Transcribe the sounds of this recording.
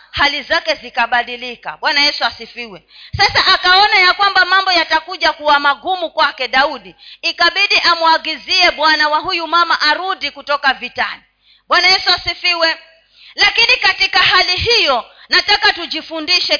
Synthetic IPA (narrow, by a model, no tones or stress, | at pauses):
halizakɛzikaɓaɗilika̰ɓwanajɛsuasifiwɛ | sasaʔakaɔnajakwambamambɔjatakuʄakuwamaɡumukwakɛɗauɗiːkaɓiɗiʔamuaɡiziɛɓwanawaɦujumamaʔaɾudikutɔkavitali | ɓwanajɛsuasifiwɛ | lakinikatikahaliɦijɔ | natakatud͡ʒifundiʃɛ